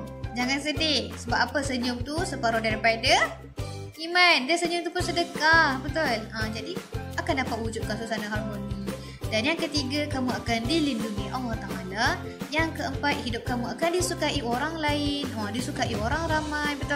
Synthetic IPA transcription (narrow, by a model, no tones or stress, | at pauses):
d͡ʒaŋansədɪhsəbap̚apəsəɲʊmt̪usəpaɾodaɾipaj̚də | imandəsəɲʊmt̪upʊnsədəkahbət̪ʊləd͡ʒadiakandapat̪̚hud͡ʒʊt̪̚kasusanaɦarmoni | danjaŋkət̪iɡakamuakandilinduŋiʔalaht̪aɦana | jaŋkəəmpat̪̚hidʊp̚kamuakandisukaʔiʔoɾaŋlaɪnədisukaʔioɾaŋɾamajbət̪ʊ